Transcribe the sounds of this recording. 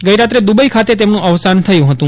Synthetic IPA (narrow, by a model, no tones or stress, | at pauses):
ɡəiɾat̪ɾed̪ubəikʰat̪et̪emnũʔəʋsant̪ʰəjũɦət̪ũ